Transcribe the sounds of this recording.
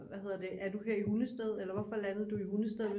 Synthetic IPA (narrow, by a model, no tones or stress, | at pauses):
ʋæhe̝ð̞̰ˠɐd̥e̝ʔæɐd̥uɦe̝ɐ̰ihunəsd̥eð̞ˠelɐʋɒ̽fɒ̽lænəð̞̩ˠd̥uihunəsd̥eð̞ˠʋe